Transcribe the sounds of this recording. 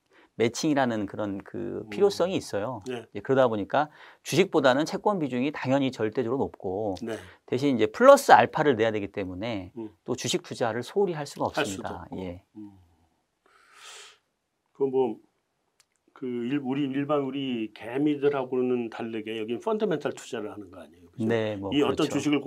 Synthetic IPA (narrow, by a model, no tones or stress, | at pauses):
me̞t͡ɕʰiŋiɾanɯnkɯɾʌnkɯ̰pʰiɾjos͈ʌŋiːs͈ʌjoneekɯɾʌdaboɲik͈at͡ɕuɕʰik̚p͈odanɯnt͡ɕʰe̞k͈wʌnbid͡ʑuŋitaŋjʌɲit͡ɕʌɭt͈e̞duɾonop̚k͈onete̞ɕ̬ʰinind͡ʑe̞pʰɯɭːʌs͈ɯaɭpʰaɾɯɭne̞jadweɡit͈e̞mune̞t͈ot͡ɕuɕʰik̚p͈ud͡ʑaɾɯɭsʰouɾiɦaɭs͈uɡaʌpsaɯmɲida̰je̞ | kɯɾʌnmwʌ | kɯiuɾiːɭbanuɾikemidɯɾhaɡonɯntaɭːeɡe̞jʌɡinfʌndɯmentʰaɭtʰu̥d͡ʑaɾɯɭhanɯnɡʌaɲejokɯne̞mwʌiʌt͈ʌnt͡ɕuɕʰiɡɯɭ